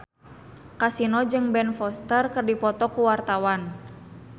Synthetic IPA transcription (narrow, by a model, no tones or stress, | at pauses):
kasinɔd͡ʒɨŋbɛnfɔst̪ərkərdipɔt̪ɔkuwart̪awan